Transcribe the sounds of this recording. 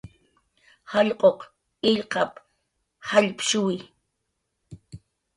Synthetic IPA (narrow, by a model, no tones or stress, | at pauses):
haʎqʼoq | ɪʎqɑp | haʎpʃʊwɪ